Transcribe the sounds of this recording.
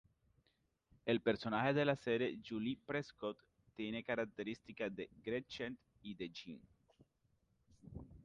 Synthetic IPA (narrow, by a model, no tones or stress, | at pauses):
elpe̞ɾso̞naxeðe̞laseɾjed͡ʒulipɾeskot̪ː | je̞nekaɾak̚t̪e̞ɾist̪ikaðeɡɾet͡ʃent̪ | iðet͡ʃḭn